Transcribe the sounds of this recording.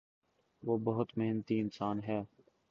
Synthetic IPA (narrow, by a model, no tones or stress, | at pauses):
ʋoːbəɦʊt̪meɦnt̪iɪnsaːnɦɛː